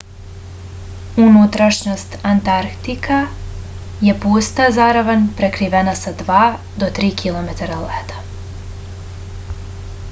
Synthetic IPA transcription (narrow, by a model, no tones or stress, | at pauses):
unut̪ɾaʃɲo̞st̪ant̪aɾkt̪ika | jepuːst̪azaɾaʋanpɾekɾiʋenasad̪ʋaː | d̪ot̪ɾiːkʰilomet̪aɾalet̪ḁ